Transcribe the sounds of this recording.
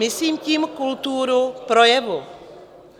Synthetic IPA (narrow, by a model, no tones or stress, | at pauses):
ɪsliːmciːmkult̪uːɾupɾojɛvu